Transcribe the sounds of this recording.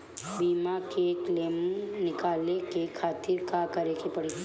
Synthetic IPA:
biːmakekleːmnɪkaːlekekʰaːt̪ɪɾkakɐɾekepɐɽi

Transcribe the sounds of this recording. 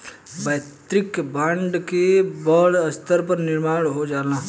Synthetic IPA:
bəːt̪ɾɪkbãːɳɖkebəːɽəst̪ʰəɾpɐɾnɪɾmaːɽɦod͡ʒaːnaː

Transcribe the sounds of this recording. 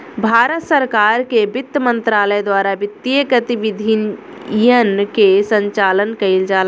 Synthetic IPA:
bʱaːɾət̪səɾkaːɾkebɪt̪ːəmə̃nt̪ɾaːləjd̪waːɾabɪt̪ːijəkət̪iʋɪd̪ʱɪn | jənkesə̃ɲt͡ʃaːlənkɐɪld͡ʒaːl

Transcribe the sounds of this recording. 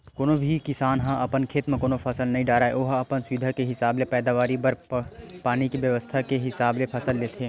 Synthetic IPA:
koːnobʱikɪsaːnɦãʔɐpənkʰeːt̪mẽkoːnopʰɐsəlnɐĩɖaːɾaːḛʔoːɦɐpənsʊʋid̪ʱakeɦɪsaːblepɛːd̪aːʋaːɾibɐɾpaːnikibjəʋəst̪ʰakeɦɪsaːblepʰɐsəlːeːt̪ʰeː

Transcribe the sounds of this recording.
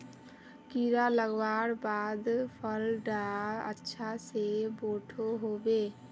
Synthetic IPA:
kiɾaləɡbaɾbad̪pʰəlɖaə̰tːʃʰaseboʈʰoɦobe

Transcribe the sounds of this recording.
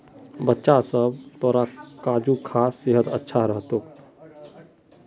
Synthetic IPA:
bətːʃasəb̚t̪oɾakaːd͡ʒukʰaseɦəd̪ə̰tːʃʰaɾəɦt̪oːk

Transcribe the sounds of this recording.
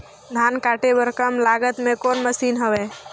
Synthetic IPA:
d̪ʱaːnkaːʈebəɾkəmlaːɡət̪mẽkoːnməsiːnɦəʋeː

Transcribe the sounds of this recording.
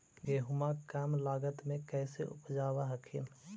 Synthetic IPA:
ɡeːɦʊmakaːmlaːɡət̪mẽkɛːseʔʊ̰pd͡ʒaːwaɦɐkʰḭn

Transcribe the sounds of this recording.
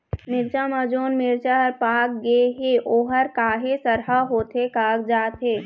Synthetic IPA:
mɪɾt͡ʃamad͡ʒoːnmɪɾt͡ʃaɦəɾpaːkɡeɦeʔoːɦəɾkaːɦesəɾɦaɦoːt̪ɦekaːkd͡ʒaːt̪ɦeː

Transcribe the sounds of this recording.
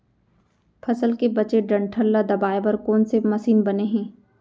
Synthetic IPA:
pʰɐsəlkebɐt͡ʃeɖɐ̃ɳʈʰəlːad̪ɐbaːebɐɾkɔːnsemɐsiːnbɐneɦɛ̃ː

